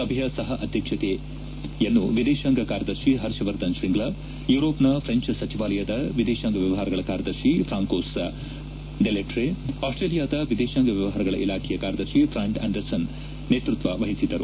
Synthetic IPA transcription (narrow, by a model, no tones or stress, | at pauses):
ɐbʱjɐsɐɦɐʔɐd̪ʱjɐkʂɐt̪e | jɐnːuʋid̪eːʃɐŋɡɐkaːɾjɐd̪ɐɾʃiɦɐɾʃɐʋɐɾt̪ɐnʃɾiŋɡɭa | juːɾoːpnɐpʰɾeɲt͡ʃsɐt͡ʃiʋaːlɐjɐd̪ɐʋid̪eːʃɐŋɡɐʋjɐʋɐɦaːɾɐɡɐɭɐkaːɾjɐd̪ɐɾʃifɾaːŋkoːs | ɖeleʈɾeaːsʈɾeːlijaːd̪ɐʋid̪eːʃaŋɡɐʋjɐʋɐɦaːɾɐɡɐɭɐ̰ʔilaːkʰɛjɐkaːɾjɐd̪ɐɾʃipɾaːɳʈɐ̰ːɳɖɐɾsɐn | nːeːt̪ɾut̪ʋɐʋɐɦisid̪ɐɾu